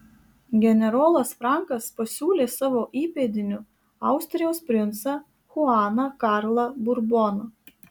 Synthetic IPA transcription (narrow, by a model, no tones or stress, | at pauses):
ɡʲɛnʲɛɾoːlˠɐsfɾɑˑŋkɐspɐsʲuːlʲeːsɑːʋoːʔiːpʲeːd̪ʲɪnʲʊ | ɑˑʊsʲt̪ʲɾʲɪjɛʊspʲɾʲɪnt̪sɐ | xʊɑːnɐkɑːɾlˠɐbʊɾbɔnɐ